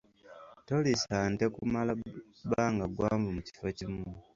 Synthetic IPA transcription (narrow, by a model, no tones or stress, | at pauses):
to̞lisantekumala | baːŋɡaɡwaːmvumuci̥focimu